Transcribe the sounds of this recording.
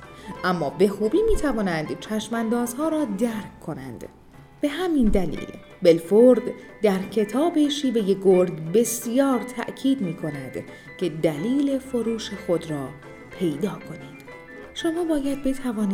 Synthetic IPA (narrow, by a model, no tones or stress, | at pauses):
ʔæmːɒːbe̞xuːbiːmiːt̪ʰævɒːnænd̪t͡ʃʰæʃmænd̪ɒːzhɒːɾɒːd̪æɾkʰːo̞næ̰nd̪̥ | b̥e̞ɦæmind̪ælḭːl | be̞lfoɾd̪d̪æɾcʰe̞t̪ʰɒːbe̞ʃiːve̞je̞ɡo̞ɾɡbe̞sijɒːɾt̪ʰæ̰ʔcʰiːd̪miːkʰo̞næd̪ | cʰe̞d̪æliːle̞fo̞ɾuːʃexo̞d̪ɾɒː | pʰe̞jd̪ɒːkʰo̞niːd̪̥ | ʃo̞mɒːbɒːjæd̪̚be̞t̪ʰævɒːni